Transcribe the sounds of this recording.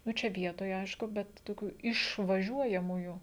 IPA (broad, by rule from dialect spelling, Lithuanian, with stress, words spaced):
ˈnʊ ˈt͡ʃʲɛ ˈʋʲiɛtoːj ˈɐɪʃkʊ ˈbʲɛt toːˈkʲuː ɪʃʋɐˈʒʲuɔjɛmuːjuː